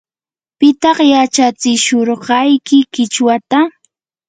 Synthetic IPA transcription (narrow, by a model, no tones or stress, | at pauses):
pɪt̪ɑχjat͡ʃat͡sɪʃoɾɢɑjkɪkɪt͡ʃwat̪a